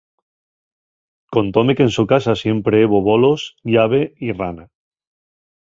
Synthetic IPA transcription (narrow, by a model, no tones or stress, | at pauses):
ko̞nt̪o̞me̞kensukasasje̞mpɾe̞eβoβo̞lo̞sʎaβ̞e̞irana